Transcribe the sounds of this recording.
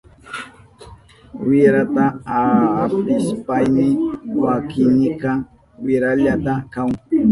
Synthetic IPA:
wɪɾat̪aː | pɪspajnɪwakɪnɪkɑ | wɪɾaʎat̪akaŋ

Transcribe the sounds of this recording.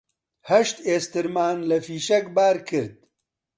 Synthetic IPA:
hɐʃt̪eːst̪ɨɾmaːnlɐfiːʃɐkbaːɾkʰɨɾd̪̚

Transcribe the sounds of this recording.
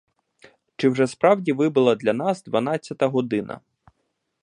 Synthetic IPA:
t͡ʃɪwʒɛspɾɑwdʲiʋɪbɪlˠɐd̪lʲɐnɑzd̪ʋɐnɑt͡sʲːɐt̪ɐɦɔd̪ɪnʔɐ̰

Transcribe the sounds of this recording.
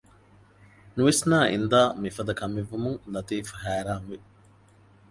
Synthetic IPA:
nuʋesnaːʔḭnd̪aːmifɐd̪ɐkɐmeʋːumuŋlɐt̪iːfhæːɾaːŋʋe

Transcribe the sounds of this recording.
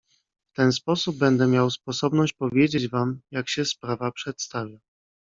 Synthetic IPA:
ft̪ɛnspɔsubːɛnd̪ɛmʲjawspɔsɔbnɔɕt͡ɕpɔvʲjed͡ʑed͡ʑvamjakɕɛspɾavapʂɛt̪st̪avʲja

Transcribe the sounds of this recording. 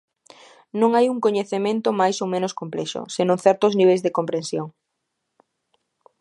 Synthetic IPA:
nõŋajuŋkoɲeθemẽnt̪omajsowmẽnoskomplɛʃo̰senõŋθɛɾt̪ozniβejzðekompɾẽnsjoŋ

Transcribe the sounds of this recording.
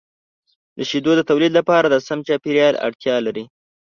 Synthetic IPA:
d̪̥əʃid̪od̪ət̪awlid̪lapɑɾad̪əsamt͡ʃɑpiɾjɑla̰ɽt̪jɑlaɾi

